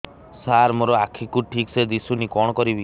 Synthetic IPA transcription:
saɾmoɾɔakʰikuʈʰiksed̪isunikɔɽ̃ɔkɔɾibi

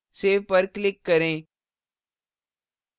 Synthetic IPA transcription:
seːʋpɐɾklɪkːɐɾẽː

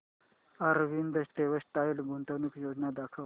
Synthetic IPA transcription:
aɾʋind̪əsʈ̪eʋəsʈ̪ailbʱunt̪ənukjod͡ʑnad̪akʰəʋ

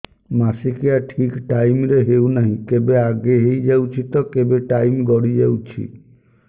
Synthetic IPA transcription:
masikijaʈʰikʈajmɾeɦewnaɦĩkebeaɡeɦejd͡ʒawt͡ʃʰit̪ɔkebeʈajmɡɔɽid͡ʒawt͡ʃʰḭ

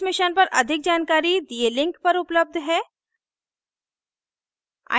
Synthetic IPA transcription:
mɪʃənpɐɾʔɐd̪ʱɪk̚d͡ʒaːnkaːɾid̪ielɪ̃ŋkpɐɾʊpləb̚d̪ʱɦɛː | a̰

